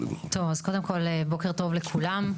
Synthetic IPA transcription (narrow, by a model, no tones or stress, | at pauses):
t̪ovazko̞d̪e̞mkʰo̞lebo̞keʁt̪o̞vlekʰulam